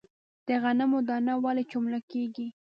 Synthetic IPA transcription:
d̪̥əɣanamod̪ɑnawɑlet͡ʃomlakeɡi

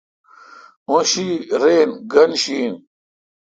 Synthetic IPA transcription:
õɕiɾeːnɡɐnɕiːn

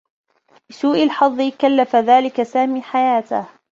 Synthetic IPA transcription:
bɪsuːʔalħɑðˤːɨkalːafaðaːlɪkasaːmiːħajaːt̪ɪ̰h

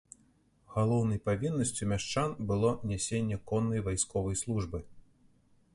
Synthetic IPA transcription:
ɣalˠɔwnɐjpavʲinːɐsʲt͡sʲumʲaʂt͡ʂanbɨlˠɔnʲɛsʲenʲːɛkɔnːɐjvajskɔvɐjslˠuʐbɨ

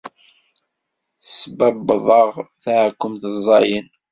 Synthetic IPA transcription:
θəsbæbbəðˤɑʁθaʕkːʊmθəzˤːɑjən

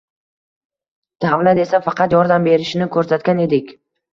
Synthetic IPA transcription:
d̪̥avlat̪e̞safɑqʰɑt̪jɒɾd̪ambe̞ɾɪʃɪnɪkʰɵɾsat̪kʲane̞d̪ɪkʲ

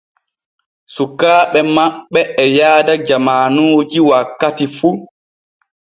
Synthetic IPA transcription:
sukːaːɓɛmaɓːɛɛjaːdad͡ʒamaːnoːd͡ʒiwakːatifu

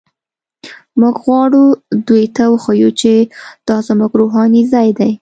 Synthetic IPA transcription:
muɡɣwɑɽud̪ujt̪awəxəjut͡ʃed̪̥ɑzmuɡɾoɦɑnizɑjd̪aj

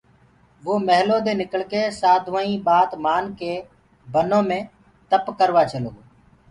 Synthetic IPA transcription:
ʋoːməɦloːd̪eːnɪkəɭkeːsaːd̪ʱʋaːĩːɓaːt̪maːnkeː | bʱənõːmẽː | t̪əpkəɾʋaːt͡ʃəlo̰ː

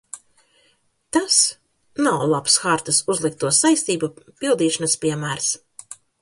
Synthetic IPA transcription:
t̪as | nawlˠapsxaɾt̪ɨsuzlˠik̚t̪uɔsajst̪iːbupilˠd̪iːʃanaspʲiɛmæːɾs

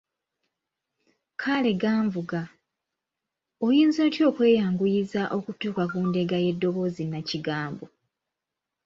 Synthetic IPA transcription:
kʰale̞ɡaːɱvuɡa | ojiːnzo̞ːtjo̞ːkwe̞ːjaːŋɡujizaʔo̞kutuːkakuːnde̞ɡaje̞dːo̞βo̞ːzinaciɡaːmbo

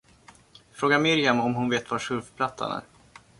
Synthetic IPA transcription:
fɾoːɡamɪɾjamɔmɦʊnveːt̪vaʂɵɾfpʰlat̪ʰːa̰næ̰ːɾ

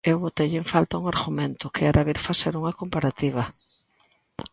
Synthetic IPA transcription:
ewβot̪eʎeɱfalt̪auŋaɾɣumẽnt̪ʊkʰɪaɾaβiɾfaseɾuŋakompaɾat̪iβ̞ɐ

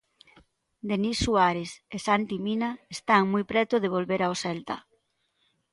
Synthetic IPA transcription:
d̪enisːuaɾesesant̪iminaest̪aŋmujpɾɛt̪ʊðeβ̞olβeɾaosɛlt̪a̰

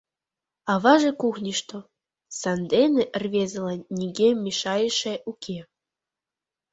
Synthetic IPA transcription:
ɑβɑʒekuxnʲiʃt̪o | sɑnd̪eneʔrβʲezəlɑnnʲiɡemːiʃɑjəʃeʔukʲʰe

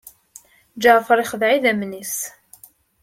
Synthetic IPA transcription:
d͡ʒaʕfəɾˤiχəðʕiðæmnis

